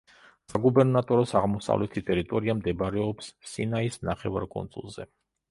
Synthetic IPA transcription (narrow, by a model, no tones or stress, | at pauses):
saɡubɛɾnat̪ʼɔɾɔsaʁmɔsa̰vlɛt̪ʰit̪ʼɛɾit̪ʼɔɾiamd̪ɛbɾɛɔpsːinaisnaχɛva̰ɾkʼɔ̰nsʼṵlˠzɛ̰